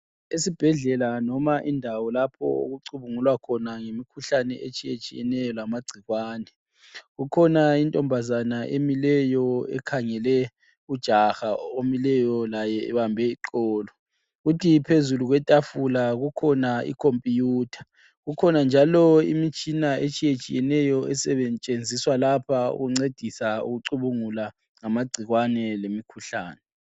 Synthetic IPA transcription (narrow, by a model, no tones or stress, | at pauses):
esib̥ʱɛɮɛlanɔmaʔindʱawɔlapʰɔ̰o̰ɣuǀuβuŋulwakʰɔnaŋemikʰuɬanɛ̰ʔet͡ʃʼijet͡ʃʼijɛnɛjɔlamaɡ͡ǀʱiɣwaːnɛ | ɣukʰɔnaintʼɔmbʱazanaʔemilɛjɔɛ̰kʰaŋɛlɛ | ud̥ʒ̥ʱaxaomilɛjɔlajɛɛ̰βambʱɛiǃɔːlɔ | ɣutʰipʰezuluɣwɛtʼafulaɣukʰɔnaḭkʰompʼijuːtʰḁ | ɣukʰɔnand͡ʒʱalɔḭmit͡ʃʼinaʔet͡ʃʼijet͡ʃʼijɛnɛjɔɛsɛβɛnt͡ʃʼend͡zʱiswalapʰaṵɣuŋ͡ǀed̥ʱisaṵɣuǀuβuŋula | ŋamaɡ͡ǀʱiɣwanɛlemikʰuɬaːnɛ